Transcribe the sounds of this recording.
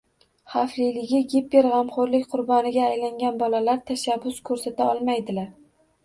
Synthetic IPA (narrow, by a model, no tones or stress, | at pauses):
χaflɪjlɪɡʲɪɡʲep̚ːeɾʁɑmχoɾlɪkʲqʰʊɾbɒnɪɡʲaːjlaŋʲanbɒlalaɾt̪ʰaʃabːʊskʰɵɾsat̪aɒlˠmajd̪ɪlaɾ